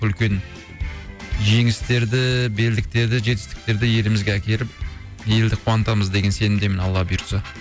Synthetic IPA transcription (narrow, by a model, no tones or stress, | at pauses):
ʏlkʲe̞n | ʒe̞ŋɪst̪e̞ɾd̪ɪbe̞ld̪ɪk̚t̪e̞ɾd̪ɪʒe̞t̪ɪ̥st̪ɪ̥k̚t̪e̞ɾd̪ɪje̞lɪmɪzɡʲeækʲe̞ɾɪp̚ | je̞ld̪ɪqʰuwɑnt̪ɑməzd̪e̞ɡʲe̞nse̞nɪmd̪e̞mɪnɑlˠːɑbijɾsɑ